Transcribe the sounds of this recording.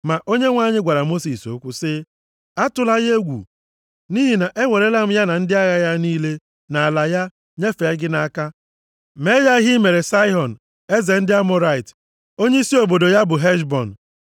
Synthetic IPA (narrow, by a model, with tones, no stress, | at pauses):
ma˨ʔo˦ɲe˦ŋʷa˦˨ɲɪ˦ɡʷa˨ɾa˨mo˦si˨so̰˦kʷʊ˦sɪ˦ | a˦tʊ˦la˦ɣe˦ɡʷṵ˨ | niː˦ɦi˨na˨ʔe˦ŋʷe˨ɾe˦la˦m̩˦ja˦na˨n̩˦dɪ˦a˦ɣa˦ja˦niː˦le˦ | na˨a˨la˨ja˦ | ɲe˦fe˨˦ɡɪ˦na˦ka˦ | me˦ja˦ɦi˦me˨ɾe˨sa˦ɪ˦ɦɔ˨n̩˨ | e˦ze˨n̩˦dɪ˦a˦mɔ˦ɾa˦˨ɪ˨t | o˦ɲe˦i˦si˦o˨bo˨do˨ja˦bʊ˨ɦɛ˦ʃ̬bɔ˨n̩˨